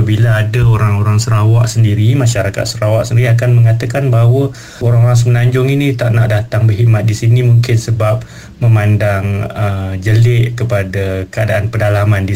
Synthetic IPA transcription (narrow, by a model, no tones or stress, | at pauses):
bilaːdaoɾaŋoɾaŋsəɾawaʔsəndiɾimãʃaɾaka̰t̪̚səɾawaʔsəndiɾiak̬anməŋat̪əkanbaɦwə | oɾaŋoɾaŋs̬əmənaɲd͡ʒʊŋinit̪aʔnaʔdat̪aŋbəɦiʔmat̪̚disinimuŋkɪnsəbap̚ | məmandaŋəd͡ʒəlɪʔkəpadakəadaʔanpədalamandi